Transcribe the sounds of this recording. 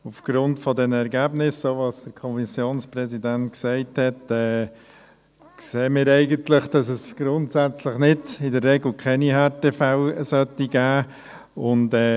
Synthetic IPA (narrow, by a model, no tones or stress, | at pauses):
ufɡ̥ɾʊntfɔdɛnəɛɾɡæːbnɪsːoːvɑsd̥əɾkʰɔmisjoːnsprɛsidæntksɛɪthɛtɛː | kseːmɪːɾɛɪɡəntlɪχd̥ɑsɛsɡ̥ɾʊntsæt͡sləχnɪdɪdəɾːɛɡl̩kʰɛniɦɛtefaʊsœtːiɡ̥æː | ʊndɛː